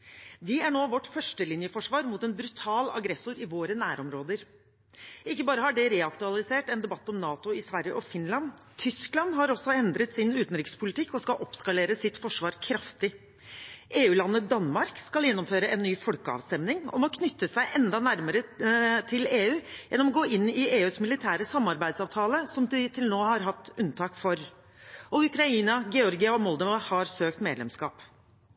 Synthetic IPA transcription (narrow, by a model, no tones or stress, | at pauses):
ʋɪæɳoːʋɔʈːfœʂʈəlɪnjəfɔʂʋɑːɾmut̪ɛnbɾʉt̪ʰɑːlɑ̰ɡɾɛsʊɾɪʋoːɾənæːɾɔmɾoːd̪əɾ | ɪkːəbɑːɾəhɑɖɛɾɛːɑkt̪ʉɑlˠɪseːʈɛnd̪ɛbɑt̪ːɔmnɑːt̪ʊɪsʋæɾjə̰ʔɔfɪnlɑn | t̪ʰʏsklɑnɦɑɾɔsːɔɛnd̪ɾət̪sɪnʉːt̪nɾɪkspʰʊlɪt̪ʰɪkːɔskɑʔɔpskɑleːɾəsɪt̪fɔʂʋɑːɾkʰɾɑft̪ɪ | ʔeːʉːlɑnːəd̪ɑnmɑɾkskɑljɛnːɔmføːɾəɛnːyːfɔlkəɑ̰ʋst̪ɛmnɪŋɔ̰mɔkʰnʏt̪ːəsæɪʔɛnd̪ɑnæɾməɾət̪ʰɪleːʉːjɛnːɔmɔɡoːʔɪnːɪeːʉːsmɪlɪt̪ʰæːɾəsɑmːɑɾbæɪd̪sɑːʋt̪ʰɑːləsɔmd̪ɪt̪ʰɪlnoːhɑɾɦɑt̪ːʉnt̪ʰɑːkfɔɾ | ɔʉkɾɑiːnɑɡɛɔɾɡɪɑɔmɔld̪əʋɑhɑɾsøːkt̪meːd̪lɛmskɑ̰ːp